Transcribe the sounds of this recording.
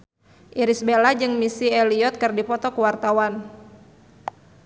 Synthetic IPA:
ʔiɾisbelad͡ʒɨŋmisieliɔt̪̚kɨrdipɔt̪ɔkuwart̪awan

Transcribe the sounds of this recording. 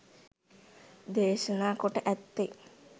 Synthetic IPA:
d̪eːʃənaːkoʈəʔæt̪ːe

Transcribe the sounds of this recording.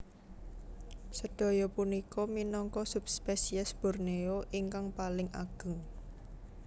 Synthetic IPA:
səɖ̥ɔ̤jɔpunikɔminɔŋkɔsup̚spesiɛsb̥ɔ̤rneoʔiŋkaŋpalɪŋa̰ɡ̥ə̤ŋ

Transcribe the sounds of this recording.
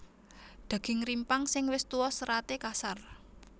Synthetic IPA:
d̪̥ä̤ɡ̥ɪ̤ŋrimpaŋsɪŋwɪst̪uwɔsəɾat̪ekasar

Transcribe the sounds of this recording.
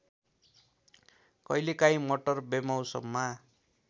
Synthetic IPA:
kʌjlekaj̃moʈʌrbemawsʌ̰mːa

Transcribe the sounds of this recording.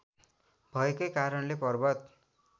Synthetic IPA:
bʱʌekʌjkaɾʌnlepʌrbʌt̪

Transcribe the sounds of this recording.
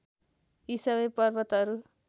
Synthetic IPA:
isʌβʌjpʌrbʌt̪ʌɾu

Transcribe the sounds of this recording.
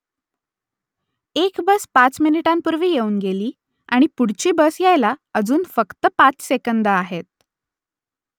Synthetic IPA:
ekbəspat͡sminiʈampuɾʋiːjeuːnɡeliː | aɽ̃ipuɽ̤t͡ɕiːbəsjajlaəd͡zuːnfəkt̪əpat͡ssekənd̪əaɦet̪̚

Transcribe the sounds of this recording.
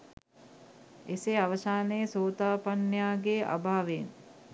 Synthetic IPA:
eseaʋəsaːnejəsoːt̪aːpanjaːɡeʔa̰bʱaːʋen

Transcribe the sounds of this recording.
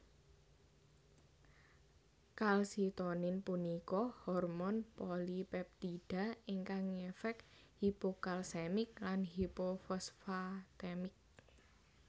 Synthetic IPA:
kalsit̪onɪnpunikɔhɔrmɔnpɔlipɛp̚t̪iɖ̥a̤iŋkaŋefɛk | hipokalsɛmɪk̚lanhipofɔsfat̪ɛmɪk̚

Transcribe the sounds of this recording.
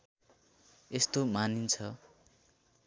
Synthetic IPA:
est̪omanint͡sʰʌ

